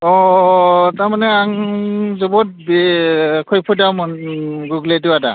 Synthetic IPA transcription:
ɔ | tamanɛaŋzɔbɔt̚b | kʰɔjpʰɔdamɔnɡuɡlediwada̰

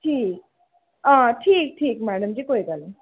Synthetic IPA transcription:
ʈʰiːk̚ | ãʈʰiːk̚ʈʰik̚mɛɖəmd͡ʑikojɡəl

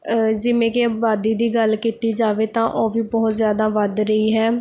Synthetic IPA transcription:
d͡ʒɪʋẽːkebaːd̪iːd̪iːɡəlkiːt̪iːd͡ʒaːʋeːt̪ãːʔoːʋiːbɔːt̪zjaːd̪aːʋəd̪ɾəiːɦɛː

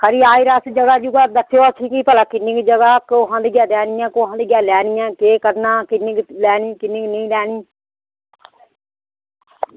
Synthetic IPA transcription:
kʰəɾiːaːiːɾaːsd͡ʒəɡaːd͡ʒuɡaːd̪ətʰːjoːatʰiːkiːpəlaːkɪnɪkd͡ʒəɡaːkoːɦə̃d̪ɡjaːd̪ɛːnɪjãːkoːɦə̃nd̪ɡjaːlɛːnɪjãːkeːkəɾnaːkɪnːɪɡlɛːniːkɪnɪŋɡnəĩːlɛːniː

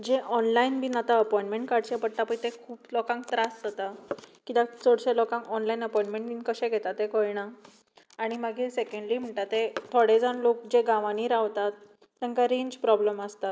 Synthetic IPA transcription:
d͡ʑẽʔɔnlainbʱinat̪aəpɔjĩɳʈmeɳʈkaɽt͡ɕepəɽ̚t̪apəit̪ekʰuːplɔkãŋk̚t̪ɾasd͡zət̪akit̪ãt͡sɔɽɕelɔkãŋkɔnlainəpɔjɳʈmẽɳʈinkəɕɛ̃ɡʱɛt̪at̪ːẽkɔjɽaː | ɽ̃imaɡʱisekəɳɖliːm̤əɳʈ̪at̪ːet̪ʰoɽed͡zanlok̚d͡ʑeɡãʋaniːɾaʋt̪at̪ː | ãŋkaɾeɲd͡ʑpɾɔbləməst̪at̪

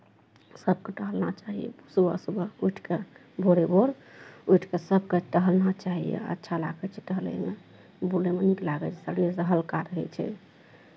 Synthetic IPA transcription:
səb̚keʈəɦəlnat͡ʃaɦijḛsubəsubəujʈʰke | bʱoɾebʱoɾ | ujʈʰkesəbkeʈəɦəlnat͡ʃaɦḭjḛə̰tːʃʰala̰ɡɛt͡ʃʰɛʈəɦəlɛ̰mḛ | bulemeniklaɡət͡ʃɛsəɽiesəɦəlkaɾəɦɛ̰t͡ʃʰɛ̰

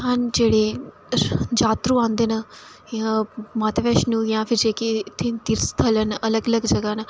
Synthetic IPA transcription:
aːnd͡ʒeːɽe | d͡ʒaːt̪ɾuãːnd̪enɐ | jãmaːt̪ʋeːʃnũjãfʰiɾd͡ʒeːket̪ʰint̪iɾst̪ʰələnɐləɡələɡd͡ʒɐɡanɐ

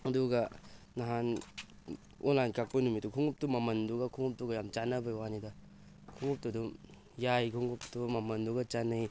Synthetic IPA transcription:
ɐduɡɐː | aɦan | onlankak̚pɐnumitːukʰuŋup̚tumɐmɐnduɡɐkʰuŋup̚tuɡajamt͡ʃanɐbɐjwanidɐ | kʰuŋup̚tudum | jajkʰuŋɡup̚tumɐmɐnduɡɐt͡ʃanːaj

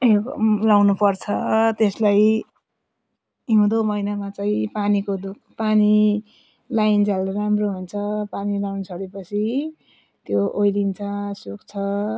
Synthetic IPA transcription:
lawnupʌrt͡sʰʌt̪eslaj | iɦũd̪omʌjnamat͡saĩpanikod̪uk̚ʰpani | lajnd͡zaleɾamroɦunt͡sʰʌpanilawnsʰʌɽepʌt͡sʰi | t̪joʔojlint͡sʰʌsukt͡sʰʌ

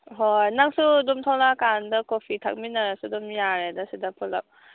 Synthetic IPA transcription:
ɦojnaŋsudumtʰawnakandɐkopʰitʰa̰k̚minːaɾasudumjaɾedɐsidɐpʰulɐ̰p̚

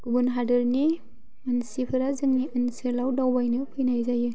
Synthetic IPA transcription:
kubunɦadɯɾni | mɯnsipʰɯɾazɯŋniʔɯnsɯlawdawbajnɯpʰɯjnajzajɯ

